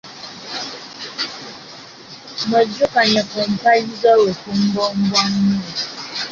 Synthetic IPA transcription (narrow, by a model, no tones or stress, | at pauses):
məd͡ʒukaɲɛpom̩pajizɔwefum̩bɔm̩bɔŋɲu